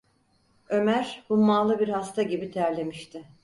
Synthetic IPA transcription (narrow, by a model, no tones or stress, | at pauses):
ø̞mæɾbumːaːlˠɯbiɾhast̪ʰaɟibit̪ʰæɾlʲe̞miʃt̪ʰɪ